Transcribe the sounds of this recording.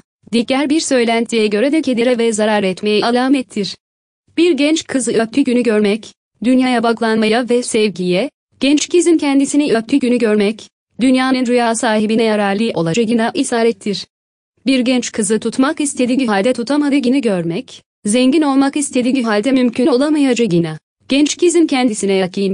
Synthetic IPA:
d̪icːæɾbiɾsø̞jlʲænt̪ʰijɛɟø̞ɾɛd̪ɛcʰe̞d̪iɾɛvɛzaɾaɾɛt̪mejɛalˠaːmɛt̪ʰːiɾ̥ | b̥iɾɟɛnt͡ʃkʰɯzɯøp̚t̪ʰyɟynyɟø̞ɾmɛc | d̪ynjajabaɡlˠanmajavɛsɛvɟijɛ | ɟ̥ɛnt͡ʃcizincʰɛnd̪isinɛap̚t̪ʰyɟynyɟøɾmɛc | d̪ynjaːnɯnɾyjaːsaːɦibinɛjaɾaːɾlʲˠiʔo̞lˠad͡ʒaɟinaʔisaːɾɛt̪ʰːiɾ̥ | biɾɟɛnt͡ʃkʰɯzɯt̪ʰut̪makist̪ʰe̞d̪iɲɦalʲd̪ɛt̪ʰut̪ʰamad̪ɯɟiniɟøɾmɛc | zɛɲɟino̞lˠmakist̪ʰe̞d̪iɲɦalʲd̪ɛmymcʰyno̞lˠamajad͡ʒaɟina | ɟ̥ɛnt͡ʃcʰizimcʰɛnd̪isinɛjakʰɯn

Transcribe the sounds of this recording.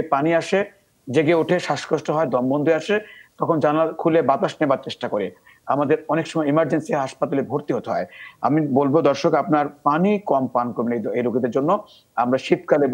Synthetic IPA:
epaniaʃe | d͡ʑeɡeuʈʰeʃaʃkoʃʈoɦɔed̪ɔmbond̪ʱeaʃet̪ɔkʰond͡ʑanalkʰulebat̪aʃnebaɾt͡ɕeʃʈakoɾi | amad̪eɾɔnekʃɔmɔeimaɾd͡ʑensiɦaʃpat̪alebʱoɾt̪iɦot̪oɦɔ̰ea̰mibolbod̪ɔɾʃokapnaɾpanikɔmpankoɾbeneejɾoɡid̪eɾd͡ʑonːo | amɾaʃit̪kale

